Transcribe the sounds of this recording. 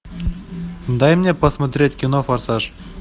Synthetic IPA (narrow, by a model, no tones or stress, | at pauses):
d̪ɑjmnʲepɐsmɐt̪ɾʲetʲkʲinofɐrsɑʂ